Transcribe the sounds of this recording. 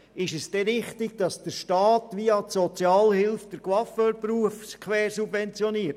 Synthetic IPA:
ɪʃɛsd̥ɛɾɪχtɪɡ̚d̥ɑsd̥əɾʃtɑːtʋiɑtsɔt͡sjɑːlhɪlfd̥əɾkʋɑfəpɾuːəfskʰʋɛːɾsubvɛnt͡sjɔniːəɾt

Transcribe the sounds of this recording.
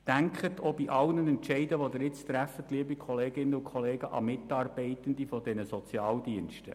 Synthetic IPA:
d̥æŋkχət̪ʰoːbiʔɑlnənɛntʃɛɪdəʋɔd̪əɾɪt͡st̪ɾæfətliəbikχɔleːɡɪnːəʊkʰχɔleːɡəʔɑ̰mɪtɑːrb̥ɛɪtənd̪ifɔdɛnəsɔt͡sjɑːldiənʃtə̰

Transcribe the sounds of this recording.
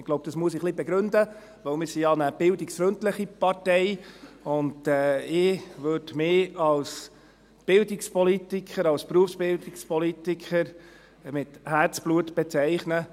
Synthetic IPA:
ɪɡ̥loʊb̚d̥̪ɑsmuəs̬ɪχlibɛɡɾɵndə | ʋœmɪɾsijɑnəb̥ɪldɪksfɾɵntləχipɑɾtɛɪʊndɛɪʋøɾdmɪːɑls | b̥ɪldɪkspɔlitɪkχəɾɑlspɾuəfsb̥ɪldɪkspɔlit̪ikʰχəɾ | mɪthært͡sb̥luətb̥ɛt͡sɛɪχnə

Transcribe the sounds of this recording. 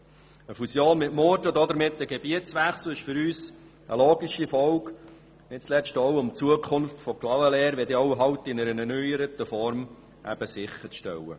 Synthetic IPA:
əfusjoːnmɪtmɔːɾdəd̪ɔd̪əɾmɪt̪ːəɡebiətsʋæχsuɪʃfʏɾyːs | ə̰loːɡiʃifɔwk | nɪtt͡slɛstɔwʊmt͡suəkʰχʊnftfɔklɑwəlɛːɾʋɛdɪɔʊɦɑwt̪ɪnəɾənɛnyjəɾətəfɔɾm | ʔæ̰b̥əsɪχəɾʃtɛ̰wə̰

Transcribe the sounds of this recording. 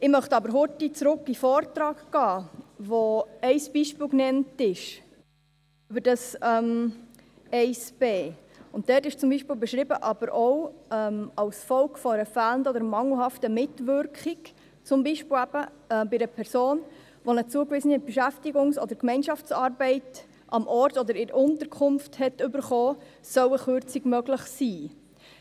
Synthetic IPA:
ɪmœχtɑbəɾɦʊtːit͡sɾʊkːifɔːrtɾɑːkɡ̥ɑːʋoɛɪsb̥iːʃpɪlknɛntɪʃ | ʉbəɾd̥ɑsɛm | ɛɪsb̥eː | ʊnt̚d̥ɛrtɪʃt͡sʊmbiːʃpɪːlbɛʃɾɪbəʔɑb̥əɾʔoʊɛmɑlsfɔlkfɔəɾəfæləndɔdəɾmɑŋl̩hɑftəmɪtʋʏɾkχɪk | t͡sʊmbiʃpɪlæb̥ə | ɛbɪdəpʰɛɾsoːn | ʋonət͡suəkʋɪsənɛb̥ɛʃæftiɡʊŋsɔd̥əɾkmɛɪnʃɑft͡sɑːrbɛɪt | ʔɑmʔɔɾtɔd̪əɾɪɾəʊntəɾkʰʊmfthɛtʏbəɾχɔːsœwəχøɾt͡siɡmœɡləχsiː

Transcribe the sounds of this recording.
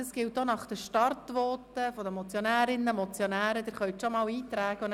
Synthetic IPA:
ɑsɡ̥ɪlt̚donɑχd̥əʃtɑrtʋɔːtəfɔd̪əmɔt͡sjonæːɾɪnːəmɔt͡sjɔnæːɾəd̥̪ɪɾχœɥt̪ʃɔmɑːwiːt̪ɾæːɡ̥əʊn

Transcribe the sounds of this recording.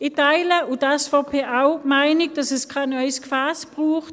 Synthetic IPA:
ɪtaɪləʔʊdasfɔpʰeːʔaʊmaɪnɪɡ̥̚d̥ɑsɛskʰaːnœʏskʰfaːsb̥ʁuːχt

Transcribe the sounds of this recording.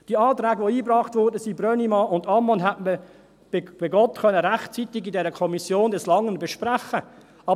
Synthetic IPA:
d̥iəɑːtɾɛːɡəʋoiːbrɑːχtvɔɾdəsibrœnimɑʊndɑmːɔnɦɛtmə | b̥ɪb̥ɪɡɔtχœnəɾæχtt͡sit̪ɪɡidɛɾəkʰɔmisjoːndɛslɑŋənbɛʃpraχə | ʔɑ

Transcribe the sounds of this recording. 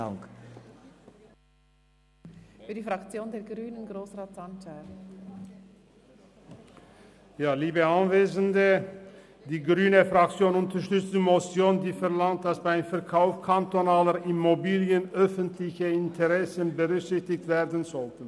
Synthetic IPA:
k | fyːɐdiːfʁakt͡sjoːndeːɐɡʁyːnənɡʁoːsʁaːtantʰa | jaːliːbəanveːzəndə | d̥iːɡʁyːnəfʁak̚t͡sjoːnʊntɐʃtʏt͡sd̥iːmosjoːndiːfɛɐlaŋt̚d̥asb̥aɪmfɛɐkʰaʊfkʰantonaːləʁʔɪmobiːljənʔœfəntʰlɪçəɪntʰəʁɛsənbəʁʏkz̥ɪçtɪçtv̥eːɐʁdən̩zɔltən̩

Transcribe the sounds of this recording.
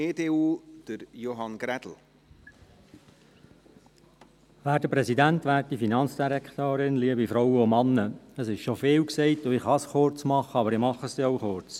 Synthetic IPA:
eːdeːuːd̪̥əɾjoɦɑnɡ̥ɾæd̥̪l̩ | ʋæːɾtəpɾɛsidæntʋæːɾtːifinɑnt͡sd̥iɾɛkt̪oːɾɪnliəbifɾɔwəʊmɑnːəəsɪʃʃofeːwksɛɪtʊɪχhɑsχʊɾt͡smɑχəɑbəɾɪmɑχːəsiɔwχʊɾt͡s

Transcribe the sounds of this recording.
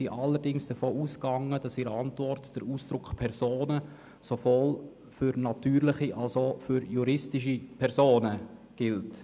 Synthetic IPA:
siʔɑlːəɾdɪŋsd̥əfoːʔuːskɑŋːəd̥ɑsiɾəɑntvɔɾtd̥əɾuːsd̥ɾʊkχpʰɛɾzoːnə | sovoːl | fʏɾnɑtyːɾlɪχiʔɑlsofʏɾjuɾɪstɪʃ̬ipʰɛɾsoːnə | ɡ̥ɪlt

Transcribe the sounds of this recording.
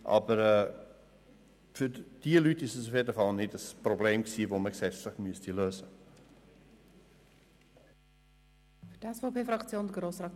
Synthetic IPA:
ʔɑ̰bəɾɛː | fyd̥iəlytɪsəsufjedəfɑlˠnɪtəsprobleːmksiːvoːməɡsɛt͡stləχmyəstiløːzə | fdæsfopeːfrɐkt͡sjoːnɡɾoːsrɑk

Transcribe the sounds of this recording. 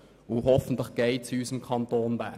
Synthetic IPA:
uːhɔfn̩t̪ləχɡ̥eɪt͡syːsəmkʰɑntoːnbæ

